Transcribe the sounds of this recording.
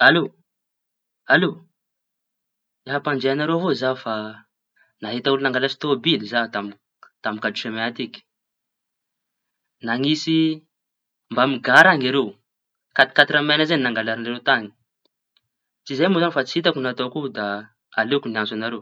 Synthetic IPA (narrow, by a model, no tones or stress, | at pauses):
alo | alo | eɦapand͡ʒeanaɾoɦozafa | naɦet̪auluinaŋɡalasi̥t̪obilizat̪am | t̪amikaduʃemeat̪iki̥ | naŋisi | mbamiɡaɾaŋaɾew | kat̪i̥kat̪iɾamenazeninaŋɡalaɾaneɾet̪aŋi̥ | t͡sizejmozanfat͡si̥it̪akunat̪okud̪a | alekunianzanaɾew